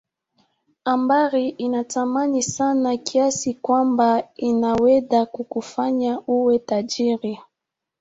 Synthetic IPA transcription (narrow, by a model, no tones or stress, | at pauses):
ambaɾiʔinatamanisanakʰiasikwambainawɛɗakukufaɲauwɛtaʄiɾi